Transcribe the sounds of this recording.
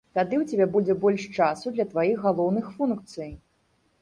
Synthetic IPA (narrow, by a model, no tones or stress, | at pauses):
t̪ad̪ɨwt͡sʲabʲɛbud͡zʲɛbɔlʲʂt͡ʂasud̪lʲɐt̪vajixɣalˠɔwnɨxfunkt̪sɨj